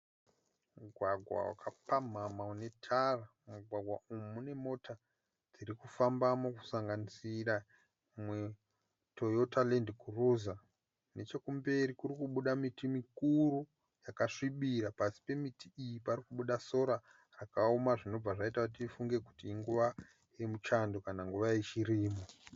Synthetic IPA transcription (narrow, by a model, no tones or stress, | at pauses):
muɡʱwaɡʱwa̰wa̰kʰapam̤amaune̞tʰara | muɡʱwaɡʱwa̰ʔumumune̞mo̞ta | d͡ziɾikufambamoku̥saŋɡanisira | mwe | to̞jotale̞ndkuruza | ne̞t͡ʃe̞kumbe̞ɾikuɾikuɓuɗamitimikuɾu | jakaʂiɓiɾapasi̥pe̞mitʰiijipaɾikuɓuɗaso̞ɾa | rakaumaʐino̞b͡vaʐaitakut̬ifuŋɡe̞ku̥tiːŋɡuʋa | jemut͡ʃando̞kanaŋɡuʋajet͡ʃiɾiːmo